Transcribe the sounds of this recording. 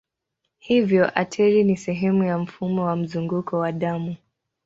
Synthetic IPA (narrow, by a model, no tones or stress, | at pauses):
hivjɔʔatʰɛɾinisɛɦɛmujam̩fumɔwam̩zuŋɡukɔwaɗamu